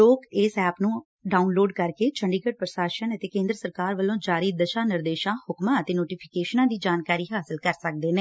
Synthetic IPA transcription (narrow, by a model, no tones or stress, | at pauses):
loːkeːsɛːpnũː | ɖaːunloːɖkəɾkeːt͡ʃʰəɳɖiːkəʈ̚pɾəʃaːʃənət̪eːkẽːnd̪ɾəsəɾkaːɾʋəlõːd͡ʒaːɾiːd̪əʃaːnɪɾd̪eːʃãːhʊkmãːət̪eːnoːʈiːpʰɪ̥keːʃnãːd̪iːd͡ʒaːnkaːɾiːɦaːsɪlkəɾsək̚d̪eːnẽː